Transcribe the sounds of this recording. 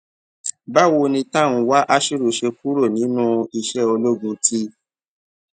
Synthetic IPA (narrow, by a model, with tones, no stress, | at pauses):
ba˦˨wo˧nĩ˧ta˦˨w̃ũ˧wa˦ʔa˦ʃi˦ɾu˨ʃe˧ku˦ɾo˦˨nĩ˨˦nũ˦i˧ʃɛ˦o˧lo˦ɡũ˧tʰi˦